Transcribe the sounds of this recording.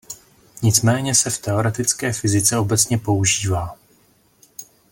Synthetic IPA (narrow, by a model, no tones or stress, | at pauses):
ɲɪt͡smɛːɲɛsɛft̪ɛo̞ɾɛt̪ɪt͡skɛːfɪzɪt͡sɛo̞bɛt͡sɲɛpo̞uʒiːvaː